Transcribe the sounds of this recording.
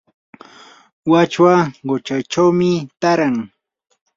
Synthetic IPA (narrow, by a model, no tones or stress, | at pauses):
wat͡ʃwaɢot͡ʃajt͡ʃawmɪt̪aɾaŋ